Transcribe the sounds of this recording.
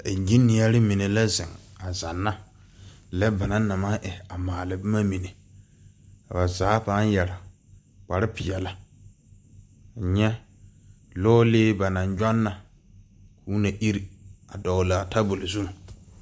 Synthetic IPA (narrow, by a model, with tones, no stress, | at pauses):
e˨d͡ʒi˦nːi˨ja˦ɾɪ˦mi˨ne˨la˦zɪ˨ŋa˨za˨nːa˦ | lɛ˦ba˨na˦na˨ma˦ʔɛ˨a˨maː˨lɪ˨bɪ˦ma˦mi˨ne˨ | a˨ba˨zaː˨˦pa˦n˦jɛ˨ɾa˨ | k͡pa˨ɾɪ˦pɪ˨jɛ˨la˦˨ | ɲɛ˦ | loː˦leː˦ba˨na˨ɲd͡ʒɔ˦nːa˨ | kuː˨˦na˨ʔi˦ɾi˨a˨dɔ˨la˨ta˦bo˨lɪ˨zu˦m˨